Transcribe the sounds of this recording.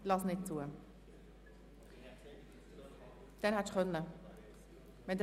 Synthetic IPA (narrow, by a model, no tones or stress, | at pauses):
lɑsnɪt̚t͡suə | d̥ɛnhɛt̪χœnːə | vɛnd